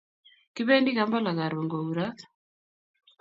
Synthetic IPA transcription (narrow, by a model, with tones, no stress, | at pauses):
kɪ˦βɛ˦ndi˦ɣa˦mba˦la˨ɣa˨ɾo˨ŋɡɔ˨u˨ɾa˦